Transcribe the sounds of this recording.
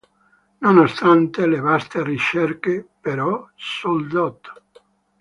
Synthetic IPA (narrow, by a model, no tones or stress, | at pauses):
nonost̪ant̪elevast̪erit͡ʃɛrkepeɾɔsold̪ɔt̪o̥